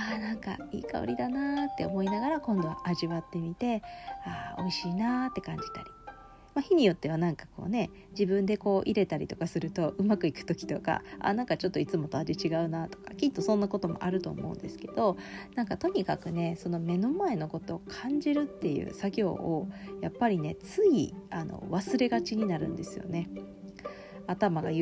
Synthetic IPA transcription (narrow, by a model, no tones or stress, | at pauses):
aːnãŋka̰ḭːka̰o̰ɾʲid̪anat̪ːe̞omo̞inaɡaɾakõ̞nd̪o̞βa̰ʔaʑiβat̪ːe̞mʲit̪e̞aːo̞̰iɕiːnaːt̪ːe̞kãɲ̟d͡ʑi̥t̪aɾʲi | maçiɲ̟ijo̞t̪ːe̞β̞anãŋkḁko̞̰ːne̞ | d͡ʑibɯ̟̃nd̪e̞ko̞ːʔiɾe̞t̪aɾʲḭt̪okasɨɾɯ̟t̪o̞ʔɯ̟makɯ̟ikɯ̟̥t̪o̞kʲi̥t̪o̞ka̰a̰nãŋkat͡ɕo̞t̪ːoit͡sɨmo̞t̪ad͡ʑet͡ɕiɡaɯ̟nat̪o̞̥ka̰kʲit̪ːo̞sõ̞nːako̞t̪o̞mo̞̰ʔaɾɯ̟t̪o̞̰ːmo̞̰ɯ̟̰̃nd̪e̞sɨ̥ke̞d̪̥o̞nãŋkat̪o̞ɲ̟ikakɯ̟ne̞sono̞me̞no̞mae̞no̞ko̞t̪o̞ːkʰãɲ̟d͡ʑiɾɯ̟t̪ːe̞jɯ̰ːsaɡʲo̞̰ːojapːaɾʲine̞t͡sɨiano̰βasɨɾe̞ɡat͡ɕiɲ̟inaɾɯ̟̰̃nd̪e̞sɨjo̞̰ne̞ | at̪amaɡa̰j